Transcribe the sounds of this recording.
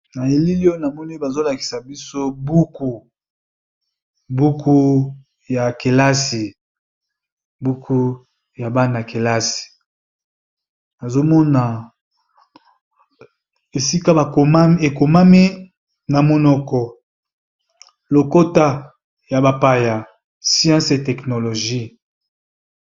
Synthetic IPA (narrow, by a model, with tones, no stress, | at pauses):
na˨je˨li˦li˦o˦na˨mɔ˦ni˦ba˨zo˦la˨ki̥˨sa˨bi˦so˦bu˦ku˨ | bu˦kʰu˦ | ja˨ke˨la˦si˨ | bu˦kʰu˦ | ja˨ba˦na˨ke˨la˦si̥˨ | na˨zo˦mɔ˦na˨ | e˨si˦ka˦ba˨ko˨ma˦e˨ko˨ma˦mi˦ | na˨mo˦nɔ˦kɔ˨ | lo˨ko˦ta˦ | ja˨ba˨pa˦ja˨ | sjã˦se˨tɛ˨kno˨lo˨ʒi˦